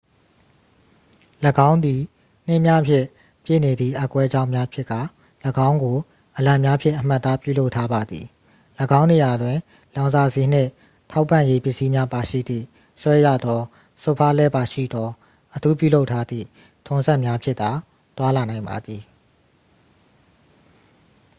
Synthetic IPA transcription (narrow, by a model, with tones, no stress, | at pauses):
ləɡã˦ʊ̃nd̪i˨ | n̥ɪ˦ʔmja˦ʔpʰjɪ̰̃˦˨ | pjɪ̰˦˨ne˨d̪ðḭ˦˨ʔa˦˨kwɛ˦d͡ʑã˦ʊ̃mja˦pʰjɪ˦ʔkːa̰˦˨ | ləɡã˦ʊ̃ŋɡo˨ | ʔəlã˨mja˦pʰjɪ̰̃˦ʔə˨m̥a˦ʔt̪ːa˦pju˦˨lo˦ʊʔtʰːa˦ba˨d̪ðḭ˨ | ləɡã˦ʊ̃ne˨ja˨dwɪ̃˨ | lã˨ʊ̃nza˨ze˨n̥ɪ̰̃˦˨ʔ | tʰa˦ʊpːã˦˨je˦pjɪ˦ʔsi˦mja˦pa˨ʃḭ˦˨d̪ðḭ˦˨ | swɛ˦jä̰˦˨d̪ɔ˦ | so˦˨pʰa˦lɛ˦ba˨ʃḭ˦˨d̪ɔ˦ | ʔətʰu˦pjṵ˦˨lo˦ʊtʰːa˦d̪ðḭ˦˨ | tʰʊ̃˨nzɛ˦ʔmja˦pʰjɪ˦ʔ̪t̪a˨ | t̪wa˦la˨nã˨ɪ̃mba̰˨d̪ði˨